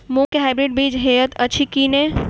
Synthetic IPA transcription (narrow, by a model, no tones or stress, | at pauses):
mõkeɦaɪbɾiɖ̚biːd͡ʒɦeət̪ɐt͡ʃʰikiːne